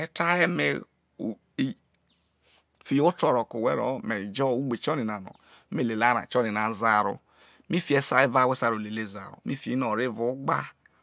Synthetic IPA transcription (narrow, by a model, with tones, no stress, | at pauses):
ɛ˦ta˦je˦mḛ˨ | fi˨jo˦tɔ˨ɾɔ˨ko˨wḛ˦ɾɔ̰˨me˨d͡ʒɔ˦˨u˦ɡ͡be˨t͡ʃɔ˦ni˨na˨nɔ̰˨˦ | me˦le˨la˨˦ɾa̰˨t͡ʃɔ˦ni˨na˨za˨ɾṵ˨ | mi˦fi˨e˦sa˦e˦va˦˨we˦sa˨ɾo˨le˨le˦˨za̰˨ɾṵ˨mi˦fi˨˦nɔ˨ɾi˦˨vu˨˦ɡ͡ba˦